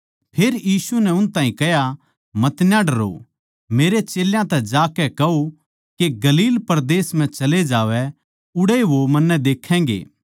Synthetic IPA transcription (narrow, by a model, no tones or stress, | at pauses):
pʰeːɾjiːsunɛʊnt̪aːĩkɛɦja | mɐt̪njãɖɐɾo̰ | meːɾet͡ʃeːljãt̪ɛd͡ʒaːkɛkɐo | keɡɐliːlpɐɾd̪eːsm̤ɛ̃t͡ʃɐled͡ʒaːʋɛ | ʊɽeʋomɐnːɛd̪eːkʰːɛ̃ːɡḛː